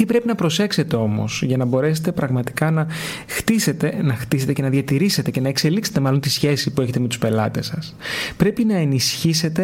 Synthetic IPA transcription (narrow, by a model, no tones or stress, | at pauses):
t̪ipɾe̞pinɐpɾo̞se̞kse̞t̪e̞o̞mo̞̰sʝɐnɐbo̞ɾe̞se̥t̪e̞pɾɐɣmɐt̪i̥kɐnɐ | xt̪iset̪enɐxt̪ise̞t̪ece̞nɐðiɐt̪iɾise̞t̪e̞ce̞nɐe̞kse̞likse̞̥t̪eɐlo̞nt̪isçe̞sipue̞çe̞t̪emet̪u̥spe̞lɐ̰t̪e̞sɐs | pɾe̞pinɐenisçise̞t̪e̞